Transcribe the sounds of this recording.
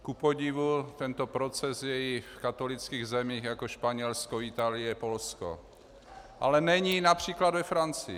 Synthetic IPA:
kupoɟivut̪ɛnt̪opɾot͡sɛsjɛifkat̪o̞lit͡skiːɣzɛmiːxjakoʃpaɲɛlskoɪt̪aːlɪjɛpo̞lsko̰ | ʔa̰lɛnɛɲinapr̝̥iːklad̪vɛfɾant͡sɪ

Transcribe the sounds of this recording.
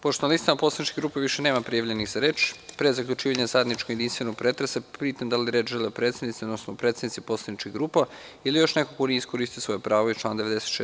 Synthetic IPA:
poʃt̪onalist̪amaposlˠanit͡ʃkʲiɡɾuːpeʋiʃeneːmapɾijaʋʎeniɣzaɾe̞ːt͡ʃpɾezakʎʲut͡ʃiːʋaɲazajed̪nit͡ʃkojed̪inst̪ʋenoɡ̚pɾet̪ɾesepiːt̪amd̪aliɾet͡ʃʒelepɾet̪sed̪nit̪siod̪nosnopɾet̪sed̪nit̪sipo̞tslˠad̪nit͡ʃkiɡɾuːpailijo̞ʃnekokoniiskoɾist̪ijosʋo̞jepɾaːʋoit͡ʃlˠaːnd̪eʋed̪eset̪ʃe

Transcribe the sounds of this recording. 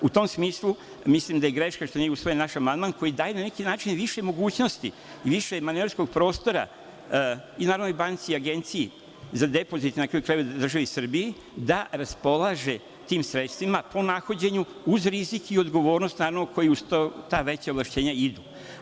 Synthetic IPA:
ut̪o̞msmiːslˠu | mislimd̪ajeɡɾe̞ʃkaʃt̪onieusʋo̞jenaʃamand̪manko̞jid̪aːjenanekinaːt͡ʃinʋiʃe̞mo̞ɡuːt͡ɕno̞st̪ḭ | iʋiʃemaneaɾsko̞ɡ̚pɾo̞ːst̪o̞ɾa̰ | inaːɾavʋnojbant̪siiaɡe̞nt̪siji | zad̪e̞po̞zit̪nakɾaːjukɾaːjud̪r̩ʒaʋisr̩bii | d̪aɾaspo̞lˠaʒe̞ | t̪iːmsɾet̪st̪ʋimapo̞naxo̞d͡ʑe̞ɲuuzɾizikio̞d̪ɡo̞ʋo̞ːɾno̞st̪naːɾavnoko̞jiust̪ot̪aʋe̞t͡ɕaoʋlˠaʃt͡ɕe̞ːɲaid̪u

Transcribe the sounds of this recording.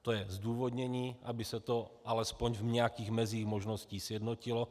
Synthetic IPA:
t̪ojɛzd̪uːvod̪ɲɛɲiːʔabɪsɛt̪oʔalɛspoɲvɲɛjakiːɣmɛziːɣmoʒnosciːsjɛdnocilo

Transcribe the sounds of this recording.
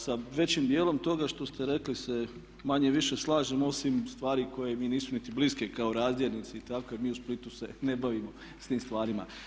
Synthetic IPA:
saʋe̞t͡ɕimd̪jeːlˠo̞mt̪o̞ɡaʃt̪o̞st̪ʰe̞ɾe̞klise̞ | maɲe̞ʋiʃe̞slˠaːʒemo̞simst̪ʋaːɾiko̞jemiːniːsunit̪ibliske̞kaoɾaːzd̪jeɾnit̪seit̪akoemiːusplit̪usene̞baʋimo̞ | st̪iːmst̪ʋaːɾima̰

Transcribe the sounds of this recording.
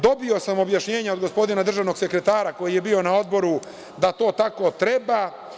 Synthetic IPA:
d̪o̞bio̞samo̞bjaʃɲe̞ːɲao̞d̪ɡo̞spo̞d̪inad̪r̩ʒaʋno̞ɡse̞kɾe̞t̪aːɾako̞jije̞bio̞nao̞d̪bo̞ɾu | d̪at̪o̞ːt̪ako̞t̪ɾeba

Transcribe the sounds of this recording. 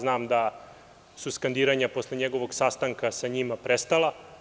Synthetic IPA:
znaːmd̪a | suskand̪iːɾaɲapo̞sleɲeɡo̞ʋo̞ɡsast̪aŋkasaɲimapɾest̪ala

